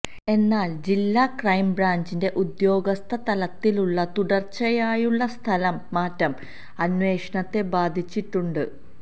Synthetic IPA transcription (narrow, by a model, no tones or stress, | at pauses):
e̞nːaːld͡ʑilːakrɐjmbraːɲd͡ʑinde̞ʔud̪jo̞ːɡɐst̪ʰɐt̪ɐlɐt̪ːiluɭːɐt̪uɽɐrt͡ɕːɐjaːjuɭːɐst̪ʰɐlɐmːaːtːɐm | ɐnwe̞ːʂɐɳɐt̪ːe̞baːd̪ʱit͡ɕːiʈːuɳɖɨ